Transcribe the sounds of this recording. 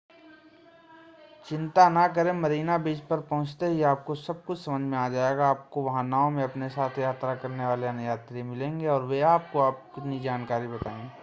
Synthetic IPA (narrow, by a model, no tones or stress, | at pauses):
t͡ʃɪ̃nt̪anak̬əɾẽmɐɾiːnabiːd͡ʒpɐɾpɐɦʊ̃t͡ʃt̪eɦiaːp̚kosɐb̚kʊt͡ʃʰsɐmə̃nd͡ʒʱmẽaːd͡ʒaːeɡaːp̚koʋɐɦãnaːõmẽɐpnesaːt̪ʰjaːt̪ɾakɐɾneʋaːleɐnjaːt̪ɾimɪlẽːŋɡeɔːɾʋeaːp̚koaːp̚kɪt̪nid͡ʒaːnkaːɾibɐt̪aːẽː